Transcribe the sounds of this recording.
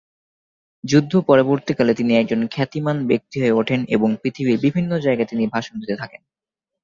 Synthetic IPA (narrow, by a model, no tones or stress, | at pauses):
d͡ʑud̪ʱːopɔɾoboɾt̪ikalet̪iniɛk̚d͡ʑonkʰɛt̪imanbek̚t̪iɦoeoʈʰenḛboŋpɾit̪ʰiβiɾbibʱinːod͡ʑaeɡat̪inibʱaʃond̪ʱit̪et̪ʰaken